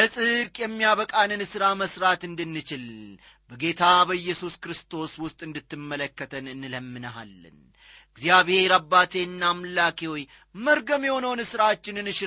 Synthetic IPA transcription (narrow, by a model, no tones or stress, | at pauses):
ləsʼɨɾkʼjɛmːijaβəkʼanɨnɨsɨɾaməsɾat̪ɨnd̪ɨnːɨt͡ʃɪl | bəɡe̞t̪ʰabəɨjːɛsuskɾɨst̪ʰo̞swʊst̪ʼɨnd̪ɨt̪ːɨmːələkːət̪ʰənɨnːɨləmːɨnəɦa̰lːɨ̰n | ɡzijaβhe̞ɾabːat̪ʰeɨnːamlakʰewoj | məɾɡəmjɛho̞nəwnɨsɨɾat͡ʃːɪnɨnɨʃ